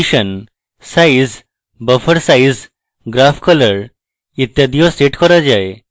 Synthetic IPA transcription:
iɕən | said͡z | bəfəɾsaid͡z | ɡɾafkʰɔləɾ | it̪jad̪ijɔsʈeʈkʰɔɾad͡ʑae

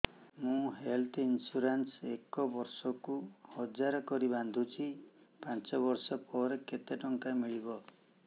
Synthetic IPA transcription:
mũɦelt̪ʰinsuɾansekɔbɔɾsɔkuhɔd͡ʒaɾɔkɔɾiband̪ʱut͡ʃʰipant͡ʃɔβɔɾsɔpɔɾeket̪eʈɔŋkamiɭibɔ

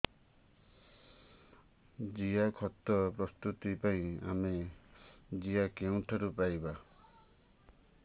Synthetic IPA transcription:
d͡ʒiakʰɔt̪ɔpɾɔst̪ut̪ipaĩa̰me | d͡ʒiakeũʈʰɔɾupajba

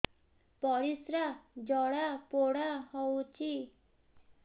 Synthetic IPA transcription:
pɔɾisɾad͡ʒɔɽapoɽaɦɔwt͡ʃʰi

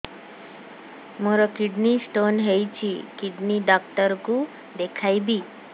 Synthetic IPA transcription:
mɔɾɔkiɖnisʈonɦejt͡ɕikiɖniɖak̚ʈəɾku | d̪ekʰajbiː

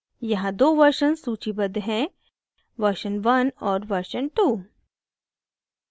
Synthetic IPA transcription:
jɐɦãd̪oːʋɐɾʃənsuːt͡ʃibɐd̪ɦɛ̃ | ʋɐɾʃənʋɐnɔːɾʋɐɾʃənʈuː

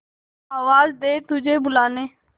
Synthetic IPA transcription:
aːʋaːzd̪eːt̪ʊd͡ʒʱeːbʊlaːneː

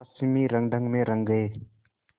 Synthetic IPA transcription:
simiɾaŋdaŋmeɾaŋɡɯj

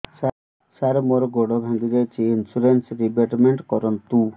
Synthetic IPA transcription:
a | saɾmoɾɡoɽɔbʱaŋɡiɾet͡ʃʰiinsuɾensɾibeʈmeɳʈkɔɾɔnt̪u

